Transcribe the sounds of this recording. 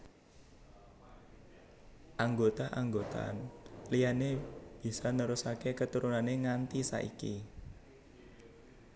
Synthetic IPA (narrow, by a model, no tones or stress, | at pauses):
ʔaŋɡot̪aʔaŋɡot̪a̰nlijaneb̥i̤sɔnəɾusakekət̪uɾunaneŋant̪isa̰ʔḭkḭ